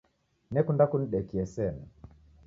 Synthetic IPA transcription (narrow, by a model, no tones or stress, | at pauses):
nɛkundakun̩iɗɛkiɛsɛnɛ